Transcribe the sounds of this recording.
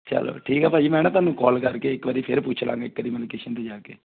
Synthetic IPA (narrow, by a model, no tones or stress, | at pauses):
t͡ʃɛ̰lo̰ːʈʰiːkapaːimɛ̃ːnẽt̪aːnːũːkɔːlkɐɾkeːɪkːʋəɾiːpʰeɾpuːt͡ʃʰlã̰ːŋɡaːɪkːʋəɾiːmɛlkeːʃənt̪ed͡ʒaːkeː